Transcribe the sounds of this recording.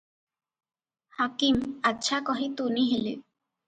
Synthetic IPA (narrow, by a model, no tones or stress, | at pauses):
hakimadʃʰakɔɦit̪uniɦilḛ